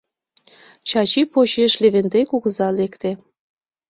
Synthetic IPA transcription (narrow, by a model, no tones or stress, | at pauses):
t͡ɕɑt͡ɕipot͡ɕeʃleβend̪ejkuɣə̆zɑlekt̪ĕ